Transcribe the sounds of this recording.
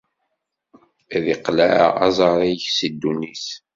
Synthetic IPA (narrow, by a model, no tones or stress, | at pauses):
æðiqlæɑ̰zˤɑɾˤiçsid̪ːunis